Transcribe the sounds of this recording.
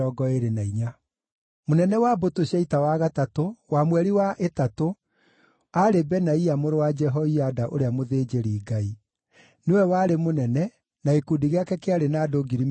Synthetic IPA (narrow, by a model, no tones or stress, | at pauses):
ɔːɡɔeɾenaiɲa | monɛnɛwabotoɕaitawaɣatatowamwɛɾiwaʔetato | aɾebɛnaiamoɾowad͡ʒɛɦɔiadaʔoɾeamoðed͡ʑeɾiːɡai | newɛwaɾemonɛnɛ | naekudiɣeakɛkeaɾenadoɡiɾim